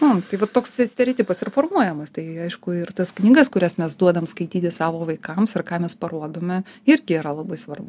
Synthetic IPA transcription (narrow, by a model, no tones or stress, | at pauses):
ot̪ɐɪʋɐttːoːkssʲt̪ʲɛɾʲɛːt̪ʲiːpɐsɪrfoːrmuɔjɛmɐst̪ɐɪɐɪʃkʊɪrt̪ɐsknʲiːɡɐskʊɾʲæsmʲɛsd̪uɔd̪ɐmskɐɪt̪ʲiːt̪ʲɪsɑːʋoːʋɐɪkɐmsɪrkɑːmʲɛspɐɾuɔd̪oːmʲɛɪɾʲɡʲɪiːɾɐlˠɐbɐɪsʋɐrbʊ